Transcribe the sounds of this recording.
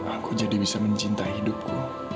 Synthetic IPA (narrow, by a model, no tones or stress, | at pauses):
akud͡ʒadibisaməɲt͡ʃint̪aɦidʊp̚ku